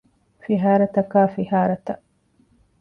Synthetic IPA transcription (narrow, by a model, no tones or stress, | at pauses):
fiɦaːɾɐt̪ɐkaːfiɦaːɾɐt̪ɐ